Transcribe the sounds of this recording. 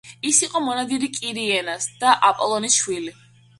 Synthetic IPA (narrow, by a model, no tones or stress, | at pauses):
isiqʼɔmɔnad̪iɾikʼiɾiɛnasd̪̥aʔapʼɔlˠɔnisʃwili